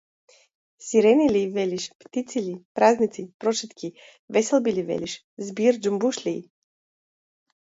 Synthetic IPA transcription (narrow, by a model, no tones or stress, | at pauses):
siɾɛnilivɛlʲiʃpt̪it̪silipɾaznit̪sipɾɔt͡ʃɛt̪kʲi | vɛsɛlˠbilivɛ̰liʃ | zbiɾd͡ʒumbuʃlʲi